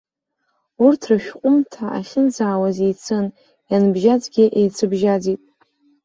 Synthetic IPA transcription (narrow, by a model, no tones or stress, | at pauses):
urtʰrɨʃᶣqʷʼʊmtʰaʔa̰χʲɪnd͡zaːwazejt͡sʰɨn | janbʒad͡zɡʲɪʔejt͡sʰɨbʒad͡zitʼ